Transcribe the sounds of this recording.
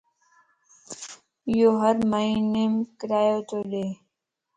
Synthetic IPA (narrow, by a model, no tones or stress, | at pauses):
joːɦəɾmainemkɾaːjot̪oleː